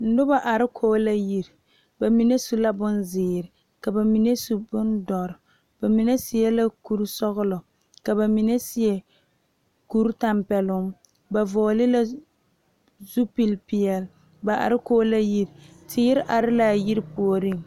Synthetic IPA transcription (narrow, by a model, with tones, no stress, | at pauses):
n̩˦dʊ˦ba˨ʔa˨ɾɪ˦kʰoː˦la˦ji˦ɾ | ba˨mi˨ne˦su˦la˦bʊ˦nzɪː˨ɾɪ˨ | ka˨ba˨mi˨ne˦su˨bʊ˦ndɔ˨ɾ | b̥a˨mi˨nɛ˦sɪ˨jɛ˦la˦ku˦ɾsɔ˦ɣʊ˦lɔ˨ | ka˨ba˨mi˨nɛ˦sɪ˦ɛ˨ | ku˦ɾta˦˨mpɛ˨lʊ˦m | ba˨vɔː˨lɪ˦la˦ | zu˦pi˨lpɪ˨ɛ˨l | ba˨ʔa̰˨ɾɪ˦koː˦la˦ji˦ɾ | tʰɪː˦ɾɪ˦ʔa˨ɾɪ˦la˦˨ji˦ɾpu˨o˨ɾi˦˨ŋ